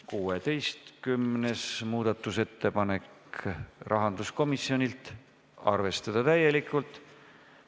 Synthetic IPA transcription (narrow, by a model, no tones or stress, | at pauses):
kuːet̪e̞jst̪kymne̞smuːd̪̥ɑt̪ːˑuse̞t̪ːe̞pɑne̞k | rʔɑɦɑnd̪̥usko̞misːjo̞nʲilt̪ | ɑ̰rve̞st̪ɑd̪̥ɑt̪æjːe̞likːˑult̪ːˑ